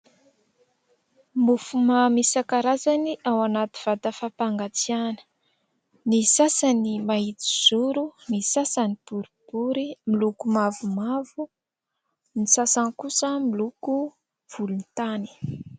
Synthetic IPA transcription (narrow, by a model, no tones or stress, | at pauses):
mufumamisakaɾazaniʔawanat̪i̥v̥at̪əfapaŋɡat͡sianə̥ | nisasanimaɦit͡si̥z̥uɾunisasanipuɾipuɾimilukumavumavu | nisasankusəmiluku | v̥ulunt̪ani̥